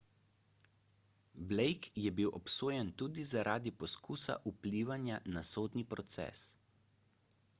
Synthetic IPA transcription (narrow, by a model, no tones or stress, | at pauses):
blɛjkjɛbiwʔɔpsoːjɛnt̪uːd̪izaɾʔaːd̪ipɔskuːsa̰ʔupliːʋanjanasoːd̪nipɾɔt̪sɛ̰ːs